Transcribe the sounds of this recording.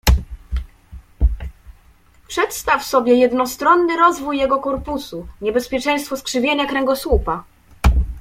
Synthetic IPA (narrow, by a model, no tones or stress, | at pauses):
pʂɛt̪st̪afsɔbʲjɛjɛd̪nɔst̪ɾɔnːɘɾɔzvujːɛɡɔkɔɾpusuɲɛbɛspʲjɛt͡ʂɛj̃st̪fɔskʂɘvʲjeɲakɾɛŋɡɔswupa